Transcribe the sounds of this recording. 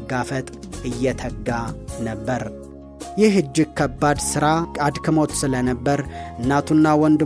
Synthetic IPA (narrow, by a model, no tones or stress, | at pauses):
ɡafət̪ʼɨjːɛt̪ʰəɡːanəbːəɾ | jɪɦɨd͡ʒːɪkʰːəbːad̪sɨɾakʼad̪kʰəmot̪sɨlənəbːəɾɨnːat̪ʰunːawɔnd̪ɨ